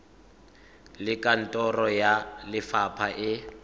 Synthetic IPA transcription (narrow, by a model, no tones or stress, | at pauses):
lɪkʼan̩tʼɔrɔjalɪfapʰaʔɪ